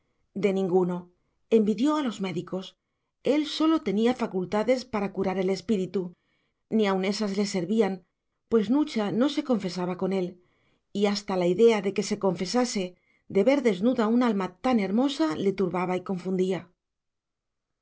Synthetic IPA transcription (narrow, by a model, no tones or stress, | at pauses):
d̪e̞nĩŋɡuno̞ | e̞mbiðjo̞alo̞zme̞ðiko̞s | e̞lso̞lo̞t̪e̞niafakult̪aðe̞spaɾakuɾaɾe̞le̞spiɾit̪u | niaune̞sazle̞se̞ɾβian | pwe̞znut͡ʃano̞se̞ko̞ɱfe̞saβako̞ne̞l | iast̪alaiðe̞aðe̞ke̞se̞ko̞ɱfe̞sase̞ | d̪e̞βe̞ɾðe̞znuðaunalmat̪ane̞ɾmo̞sale̞t̪uɾβaβaiko̞ɱfund̪ia